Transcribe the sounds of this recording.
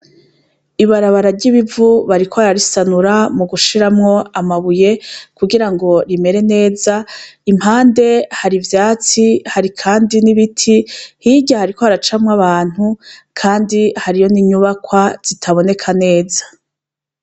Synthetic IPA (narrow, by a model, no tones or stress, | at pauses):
iβaɾaβaɾaɾɟiβivuβaɾikʰoaɾaɾisanuɾamuɡuʃiɾamŋo̞amaβuje̞kuɡiɾaŋɡo̞ɾime̞ɾe̞ne̞ːzaim̥haːnde̞haɾivjaːt͡sihaɾikʰaːndiniβitʰihiɟahaɾiko̞haɾat͡ʃamŋaβaːn̥hukʰaːndihaɾijo̞niɲuβakwaz̥itʰaβo̞ne̞kʰane̞ːzḁ